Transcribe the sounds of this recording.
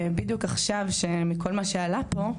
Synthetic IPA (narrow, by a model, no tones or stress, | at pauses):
bid̪jukaχʃavʃe̞miko̞lmaʃealapo̞